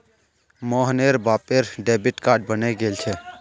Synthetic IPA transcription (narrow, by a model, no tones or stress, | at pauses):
mɔːɦneɾbaːpeɾɖeːbɪʈkaːɾɖ̚bəneɡeːlt͡ʃʰe